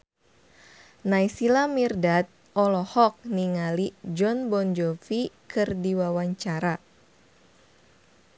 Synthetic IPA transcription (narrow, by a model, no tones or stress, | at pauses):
naisilamirdat̪̚ | ɔlɔhɔk̚niŋalid͡ʒɔnbɔnd͡ʒɔfikɨrdiwawaɲt͡ʃaɾa